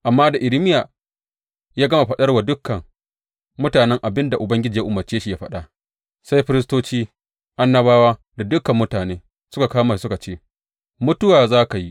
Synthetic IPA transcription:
ʔa˨mːaː˦da˨ʔɪ˨ɾɪ˦mɪ˦ja˨ | jaː˦ɡɐ˦ma˨ɸɐ˦ɗɐ˦rwa˨dʊ˦kːɐ˨ŋ | mʊ˦taː˨nɛ˦ŋʔa˨bɪ˦nda˨ʔʊ˨bɐ˦ŋɡʲɪ˦d͡ʒiː˨ja˦ʔʊ˨mɐ˨rt͡ʃeː˦ʃi˨jaː˦ɸɐ˦ɗa˦ | sa˦jɸɪ˦ɾɪ˦stoː˦t͡ʃiː˦ | ʔa˦nːɐ˦baː˦waː˦ | da˨dʊ˦kɐ˨mːʊ˦taː˨neː˦ | sʊ˦ka˨kaː˦maː˨sʊ˦ka˨t͡ʃeː˦ | mʊ˦tʊ˦waː˨zaː˦ka˨ji˦ʔ

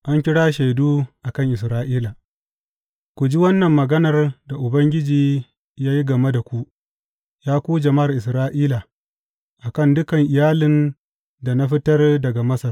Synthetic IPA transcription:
ʔa˦ŋkʲɪ˦ɽaː˦ʃa˨jduː˦ʔa˨kɐ˦ŋʔɪ˨sɾaː˦ʔiː˦la˨ | kʷu˨d͡ʒi˦wɐ˦nːɐ˨mːɐ˨ɡɐ˦nɐ˨rda˨ʔʊ˨bɐ˦ŋɡʲɪ˦d͡ʒiː˨ | jaː˦ji˦ɡɐ˨me˦da˨kʷu˦ʔ | jaː˦kʷuː˦d͡ʒɐ˨ma˦˨ʔɪ˨s̬ɾaː˦ʔiː˦la˨ | ʔa˨kɐ˦ndʊ˦kɐ˨ŋʔɪ˨jaː˦lɪ˨n | da˨na˦ɸɪ˦tɐ˦rdɐ˨ɡa˨mɐ˦sɐ˨r

